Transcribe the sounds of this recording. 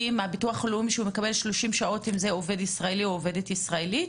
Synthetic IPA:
imabituaχlumiʃeume̞kabe̞lʃloʃimʃao̞timze̞ove̞disʁaelioove̞detisʁaeli

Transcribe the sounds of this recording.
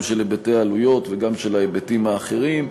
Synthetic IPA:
mʃelebete̞aalujo̞t̪veɡamʃelaebetimhaːχe̞ʁim

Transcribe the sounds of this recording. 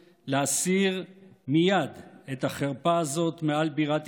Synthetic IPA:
leasiʁmijad̪et̪aχeʁpaːzo̞t̪mealbiʁat̪

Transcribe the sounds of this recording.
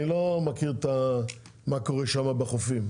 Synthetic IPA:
ilomakiʁt̪a | mako̞ʁeʃamabeχofim

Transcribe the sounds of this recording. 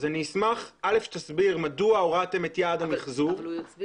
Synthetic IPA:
zanismaχale̞fʃt̪asbiʁmaduauʁat̪emetjaːdamiχzu

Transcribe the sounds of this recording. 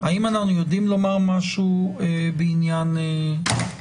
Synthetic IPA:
aimanaχnujo̞d̪imlo̞maʁmaʃuebeinjane

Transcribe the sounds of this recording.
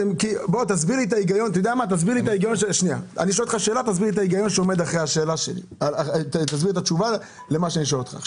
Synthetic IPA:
ekibo̞t̪azbiʁlit̪aiɡajo̞nt̪id̪eamat̪azbiʁlit̪aiɡajo̞nʃeʃnia̰a̰niʃolt̪χaʃe̞ːlat̪azbiʁlit̪aiɡajo̞nʃeomed̪aχʁeaʃe̞ːlaʃḛlḭalat̪azbiʁet̪at͡ʃuva | lemaʃeaniʃoolt̪χa̰

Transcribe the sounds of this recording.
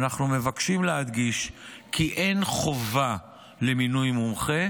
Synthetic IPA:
naχnume̞vakʃimlehad̪ɡiʃkʰiʔe̞nχo̞va | le̞minujmumχe̞

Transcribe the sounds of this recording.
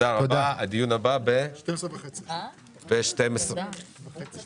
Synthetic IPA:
aʁad̪aad̪ijunababeʃtemsʁevaχet͡si | beʃtemesʁeet͡s

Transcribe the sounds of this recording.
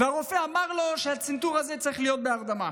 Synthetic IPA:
veaʁofeamaʁloʃɛat͡sint̪uʁazɛt͡saʁiχlijot̪̚beaʁd̪ama

